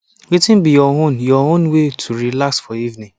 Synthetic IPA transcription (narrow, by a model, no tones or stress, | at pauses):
wetɪ̃nbijɔõnjɔõnwetʰuɹilaksfɔivnĩŋ